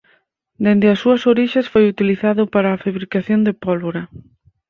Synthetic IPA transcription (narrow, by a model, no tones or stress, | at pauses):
d̪end̪ɪɐsuɐsoɾiʃẽsfojut̪iliθaðʊpaɾaːfaβɾikaθjond̪epɔlβoɾɐ